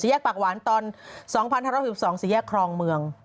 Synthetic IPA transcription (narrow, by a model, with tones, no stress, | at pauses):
si˨˦jɛː˥˩k̚paː˨˩waː˨˩˦nt̪ɔː˧nsɔː˩˦ŋpʰa˧n˧haː˥˧ɾ̚ːsɔː˩˦ŋsiː˨˩˦jɛː˥˩kʰːɾɔː˧ŋmɯ˧əŋ